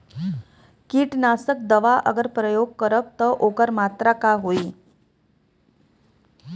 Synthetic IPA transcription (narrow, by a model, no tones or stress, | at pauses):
kiːʈnasək̚d̪əʋaʔəɡəɾpɾəjoɡ̚kəɾəb̚t̪əʔoɡəɾmat̪ɾəkaɦoi